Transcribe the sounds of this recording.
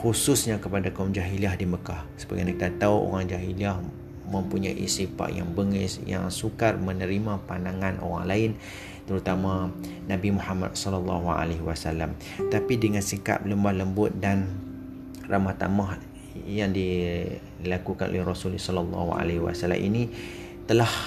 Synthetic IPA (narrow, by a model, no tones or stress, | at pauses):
xususɲakəpadakamd͡ʒaɦiliahdiməkahsəba̰ɡajnakidat̪awʔo̰ɾaŋd͡ʒaɦiliah | mə̃mpuɲa̰ʔḭsipa̰ʔja̰ŋbəŋisja̰ŋsukarmənəɾimãpandaŋãnʔo̰ɾa̰ŋlaɪn | t̪əɾut̪amã | nabimuhama̰t̚sɔlalːɑɦua̰leɦwasalːam | t̪apidəŋãnsika̰p̚ləmbahləmbʊt̪̚dan | rʔamaht̪a̰mah | jaŋdi | lakukanʔo̰lɛhrosulisɔləlːɑ̰hua̰leɦwa̰sala̰mʔḭni | t̪əlah